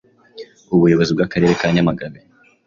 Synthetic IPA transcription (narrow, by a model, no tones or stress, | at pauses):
uβujo̞βo̞zibɡakaɾe̞ɾe̞kaɲamaɡaβe